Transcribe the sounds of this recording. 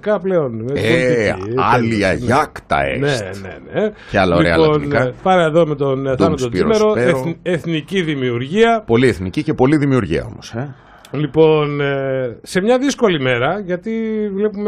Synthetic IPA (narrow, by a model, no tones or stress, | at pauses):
kɐple̞oneiiɐliɐʝɐkt̪ɐ̰ḛnene̞̰neceɐlɐoliɾeɐlo̞nɐpɐneeðome̞t̪onθt̪ɐnɐtt̪ot̪iimeɾo̞e̞θniciðimiuɾʝiɐpo̞lieθnicice̞po̞liðimiuɾʝḭɐ̰o̞̰mose | lipo̞n | se̞mɲɐðisko̞lime̞ɾɐʝɐt̪ivle̞pume